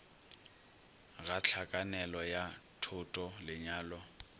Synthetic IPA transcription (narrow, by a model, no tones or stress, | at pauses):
ɣat͡ɬʰakʼanɛlɔjatʰʊtʼɔlɪɲaːlɔ